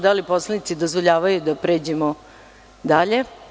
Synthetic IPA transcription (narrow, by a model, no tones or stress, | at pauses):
d̪aliposlˠanit̪sid̪ozʋo̞ʎaːʋajud̪apɾe̞ːd͡ʑemo | d̪aʎe̞